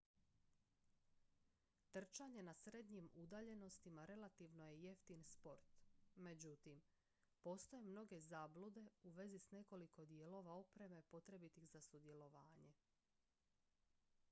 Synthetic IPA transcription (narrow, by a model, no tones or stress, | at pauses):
t̪r̩t͡ʃaɲe̞nasɾe̞d̪ɲimud̪aːʎe̞no̞st̪imaɾe̞lat̪iʋno̞je̞je̞ft̪inspo̞ɾt̪me̞d͡ʑut̪im | po̞st̪ojemno̞ɡe̞zaːblud̪e̞uʋe̞zisne̞ko̞liko̞d̪je̞lo̞ʋaopɾe̞me̞po̞t̪ɾe̞bit̪ixzasud̪je̞lo̞ʋaːɲe̞